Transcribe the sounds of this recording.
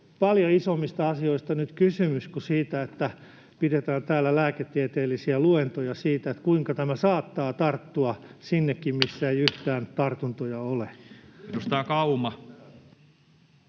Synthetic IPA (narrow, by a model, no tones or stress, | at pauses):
pɑljoisomːist̪ɑɑsioist̪ɑnyt̪kysymyskusiːt̪æet̪ːæ | piɾet̪æːnt̪æːlːælæːket̪ːiet̪eːlːisiæluent̪ojɑsiːt̪æet̪kuiŋkɑt̪æmæsɑːt̪ːɑːt̪ɑrt̪ːuɑsinːekːimmisːæeiyht̪æːnt̪ɑrt̪unt̪ojɑolenost̪ɑːkɑumɑ